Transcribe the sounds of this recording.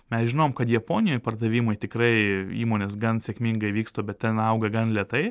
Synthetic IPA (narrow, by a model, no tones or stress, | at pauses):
mʲɛsʒʲɪnoːmkɐt̪jɛpoːnʲɪjoːjpɐrd̪ɐʋʲiːmɐjt̪ʲɪkɾɐɪiːmoːnʲeːsɡɐnsʲekmʲɪŋɡɐɪʋʲiːkst̪oːbʲɛt̪̚t̪ʲɛnɐʊɡɐɡɐnlʲiɛt̪ɐɪ